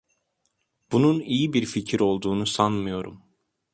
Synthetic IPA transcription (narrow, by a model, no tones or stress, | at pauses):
b̥ununijibiɾficʰiɾo̞lˠd̪uːnusanmɯjo̞ɾṵm